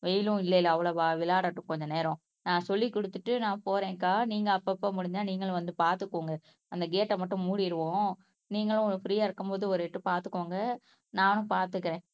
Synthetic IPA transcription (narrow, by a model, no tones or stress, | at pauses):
ʋɛjlʊ̃ɪlːɐɪlɐɐʋɐɭɐʋaːʋɪlaːɽɐʈːɯʊ̃kɔɲd͡ʒɐneːɾɔ̃ | nãːsɔlːikːɔɽɯt̪ːɯʈːɯnãːpoːɾẽːkaːniːŋɡɐːpːɐpːɐmʊɽɪɲd̪aːniːŋɡɐɭʋɐnd̪ɯpaːɾt̪ɯkːoːŋɡɐ | ɐnd̪ɐɡeːʈːɐmɐʈːʊ̃muːɽɪɪɾɯʋõː | niːŋɡɐɭʊ̃ɔfɾiːjaːɪɾɯkːɯmpoːðɯɔɾɛʈːɯpaːɾt̪ɯkːoːŋɡɐ | nãːnʊ̃paːɾt̪ɯkːɪɾẽː